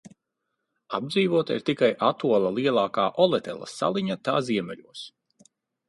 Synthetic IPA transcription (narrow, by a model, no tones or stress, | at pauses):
ab̚d̪ziːvuɔt̪aḭɾt̪ikajʔat̪uɔlˠalˠiɛlˠɑːkaːʔɔlˠɛt̪ɛ̰lˠɐ̰sa̰lˠiɲat̪aːziɛmɛʎʲuɔs